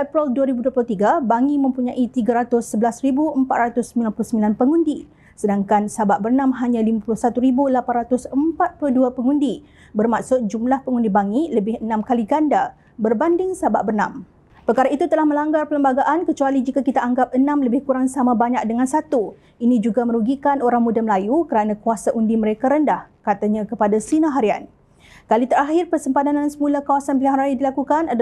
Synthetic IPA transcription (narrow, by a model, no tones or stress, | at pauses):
ɛpɾɛlduaɾibuduəplʊt̪iɡabaŋimə̃mpuɲãʔit̪iɡaɾat̪ʊsəbəlasribuəmpat̪̚ɾat̪ʊsːəmbilanpuluhsəmbilanpəŋũndi | sədaŋkansabaʔ̚bərnãmɦaɲãlimapulʊhsat̪uɾibulapanɾat̪ʊsəmpat̪̚pluduapəŋundi | bərmaksʊt̪̚d͡ʒumlahpəŋundibaŋiləbɪhənãmkaliɡanda | bərbandɪŋsabaʔbərnãm | pərkaɾait̪ut̪əlahmə̃laŋɡarpələmbaɡaʔankət͡ʃualid͡ʒikakit̪aʔaŋɡap̚ənãmləbɪhkuɾaŋsamãbaɲak̚dəŋãnsat̪u | inĩd͡ʒuɡamə̃ɾuɡikanoɾaŋmudaməlajukəɾanãkuasaʔundiməɾekaɾəndahkat̪aɲãkəpadasinãɦaɾia̰n | kalit̪əɾahɪrpərsəmpat̪anansəmũlahkawasanpilaŋɾajidilakukanad